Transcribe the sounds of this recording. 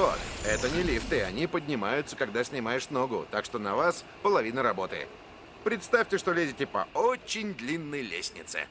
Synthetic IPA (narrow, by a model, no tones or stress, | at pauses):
vo̰t̪ɛt̪ənʲɪlʲift̪ɨɐnʲipədʲnʲɪmajʊt̪səkɐɡd̪asʲnʲɪmajɪʂno̞ɡʊ̰t̪akʂt̪o̞nɐvas | pəlˠɐvʲinəɾɐbo̞t̪ɨ̰ɪ̰ | pɾʲɪt̪st̪afʲtʲɪʂt̪o̞lʲezʲɪtʲɪpɐ̰ot͡ɕːɪnʲd̪lʲinːəjlʲḛsʲnʲɪ̰t̪sɨ̰